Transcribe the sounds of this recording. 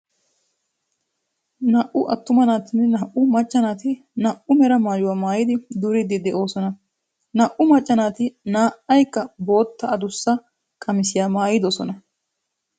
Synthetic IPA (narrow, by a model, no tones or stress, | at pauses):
nɐʔʊʔɐt̪ːʊmɐnaːt̪ɪnːɛnɐːʔʊmɐt͡ʃʼːɐnaːt̪ɪ | nɐʔʊmɛɾɐmaːjʊwaːmaːjɪd̪ɪd̪ʊɾɪd̪ɪd̪ɛʔo̞ːsɔnɐ | nɐʔʊmɐt͡ʃʼːɐnaːt̪ɪnaːʔɐjkːɐbo̞ːt̪ːɐɐd̪ʊsːɐ | kʼɐmɪsɪjaːmaːjɪd̪ɔsɔ̰nɐ